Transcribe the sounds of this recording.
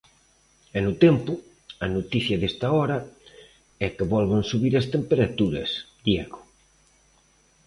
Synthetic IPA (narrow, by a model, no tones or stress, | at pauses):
enut̪empʊ | ɐnot̪iθjɐðest̪aɔɾɐ | ɛkeβɔlβansuβiɾɐst̪empeɾat̪uɾɐ̰s | d̪jɛɣo̥